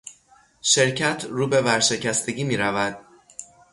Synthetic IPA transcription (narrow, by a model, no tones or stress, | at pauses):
ʃe̞ɾcʰæt̪ʰɾuːbe̞væɾʃe̞cʰæst̪ʰe̞ɟiːmiːɾævæd̪̥